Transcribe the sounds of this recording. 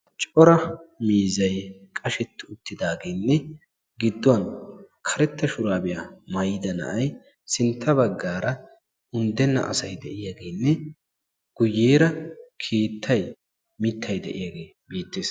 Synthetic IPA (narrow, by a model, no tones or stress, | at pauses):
t͡ʃʼɔɾɐmiːzɐjkʼɐʃɛt̪ːɪʊt̪ːɪd̪aːɡeːnːɛ | ɡɪd̪ːʊwɐn | kʰɐɾɛt̪ːɐʃʊɾaːbɪjamɐjːɪd̪ɐnɐ̰ʔɐj | sɪnt̪ʰːɐbɐɡːaːɾɐ | ʊnd̪ɛnːɐ̰ʔɐ̰sɐjd̪ɛʔɪjaɡe̞ːnːɛ | ɡ̥ʊjːeːɾɐkʰeːt̪ʰːɐj | mɪt̪ʰːɐjd̪ɛ̰ʔɪ̰jaɡe̞ː | biːt̪ːeːs